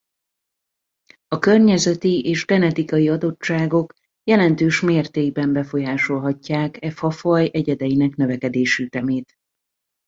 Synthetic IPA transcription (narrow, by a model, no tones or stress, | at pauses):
ɒkørɲɛzɛt̪iʔeːʒɡɛnɛt̪ikɒjiɒd̪o̞t͡ʃt͡ʃːaːɡo̞k | jɛlɛnt̪øːʃmeːrt̪eːɡbɛmbɛfo̞jaːʃo̞lɦɒcːaːkɛfɒfɒjʔɛɟɛd̪ɛjinɛknø̞vɛkɛd̪eːʃyt̪ɛmeːt̪